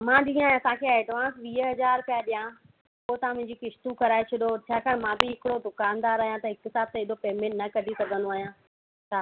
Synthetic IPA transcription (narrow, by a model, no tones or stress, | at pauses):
mãːɗĩːãːɐsãkʰeeːɖʋãːnsʋiːəɦɐzaːɾpɪjaːɗijã | poːt̪aãmʊ̃ɦɪ̃ɲd͡ʑikɪʃt̪ũkɐɾaːet͡ɕʰʊɗot͡ɕʰaːkaːɽemãbɪɦɪkɪɽod̪ʊkaːnd̪aːɾaːɦijãt̪ɐɦɪkɦɪsaːb̚t̪eɪɗ̪opeːmɛ̃ʈnɐkɐɖʱisɐɡʱə̃nd̪oaːɦijãː | t͡ɕʰaː